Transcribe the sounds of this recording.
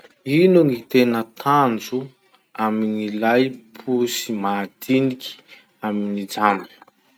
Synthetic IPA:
inuŋit̪enət̪ʰand͡zu | aminilajpʰusimad̪inikʰʲi̥ | aminid͡zamb̥

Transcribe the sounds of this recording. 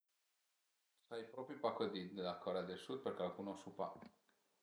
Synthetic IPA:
sajpɾopɾipakod̪id̪elakoɾead̪elsud̪̚perkalkunosupa̰

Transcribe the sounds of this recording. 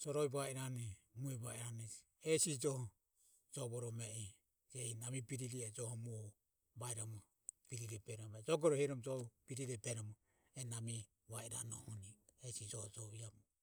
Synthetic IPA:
d͡ʒɔɾɔiβaiɾanɛmuɛβaiɾanɛi | ɛsid͡ʒɔhɔ | d͡ʒɔβɔɾɔmɛi | d͡ʒɛinamibiɾiɾiɛd͡ʒɔhɔmu | baiɾamɔ | biɾiɾɛbɛɾɔmɛɛd͡ʒɔɡɔɾɔhɛɾɔmd͡ʒɔbiɾiɾɛbɛɾɔmɔ | ɛnami | βaiɾa̰nɔ̰hɔniɛsid͡ʒɔhɔd͡ʒɔiamɔ

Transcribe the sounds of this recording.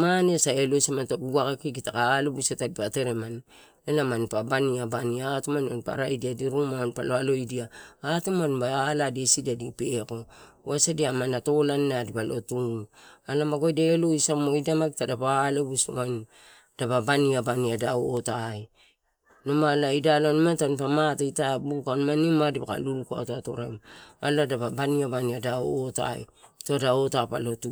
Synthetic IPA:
manesaelosamantaɡuɡakakiɡitakaːlebusetadipate̞ɾeman | lelamanpabaniabaniatomanmanpa̰ɾaidiadiɾuŋmanpaloalo̞idiaatomanbaladesidadipeko̞ | wasadiamanato̞lannadipalo̞̰tuŋualamaɡojdeloisamoidamaɡitadapalebuso̰an | d̥ababaniabaniadaoːtaj | nomalaidalanimantanpamataitabukanmanimadibaka̰lulukoa̰tato̰ɾama̰ladaβabaniabaniadaoota̰ḭtodaotapa̰lo̞tu

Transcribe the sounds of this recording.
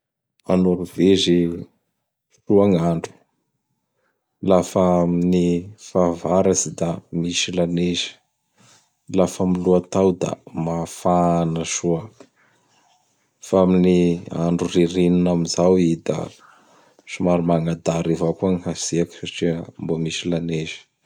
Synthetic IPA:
anuɾuvezi | ʃuaŋaɳɖ͡ʐu̥ | lafaminifavaɾasid̪amiʃilanezi̥ | lafəmiluat̪awd̪a̰mafanəʃua | faaminia̰ɳɖ͡ʐuriɾininamizawid̪a̰ | ʃumaɾumaŋad̪aɾivakuaŋiɦasiakə̥saʈ͡ʂiəmbuəmisilanezə̥

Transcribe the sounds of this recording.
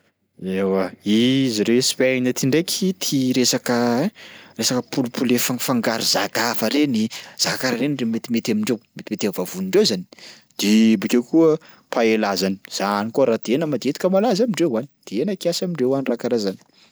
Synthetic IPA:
ewaiziɾespanət̪ʰiɳɖ͡ʐekʲʰit̪ʰiɾesakə | resakəpʰulupʰulefaŋfaŋɡaɾizakafəɾeniz̥akaɾaɾenremet̪imet̪amiɳɖ͡ʐewmet̪imet̪avavuniɳɖ͡ʐewzani̥ | d̪̥ibikʲekuə | pʰaelazani̥z̥anikoɾad̪̥enəmad̪iet̪i̥kəmalazamiɳɖ͡ʐewani̥d̪̥eenəkiasamiɳɖ͡ʐewanirakaɾazani̥

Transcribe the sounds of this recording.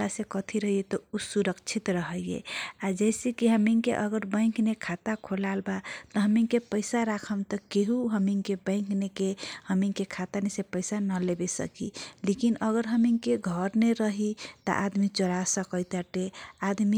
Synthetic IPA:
asekət̪ʰiɾəɦiet̪ɔusuɾəkt͡ʃʰit̪ɾəɦəjjḛad͡ʒɛsekiɦəmiŋkḛʔəɡəɾbə̃ɪ̃knekʰat̪akʰolalbat̪ɔɦəmiŋkepəɪsaɾakʰəmt̪əkeɦuɦəmiŋkebə̃ɪ̃ŋknekehəmiŋkekʰat̪anesepəɪsanəlebesə̰kḭlekinəɣəɾɦəmiŋkeɡʱəɾneɾəɦit̪ɔ̰ʔad̪mit͡ʃəɾasəkəjt̪aʈead̪mi

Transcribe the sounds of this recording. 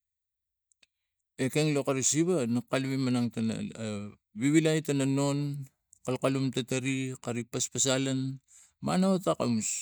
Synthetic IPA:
e̞keŋlokaɾisiβanakalβimanaŋtana̰ | βiβilajtanano̞n | kalkalumtataɾikaɾipaspasalan | ma̰naotaka̰mus

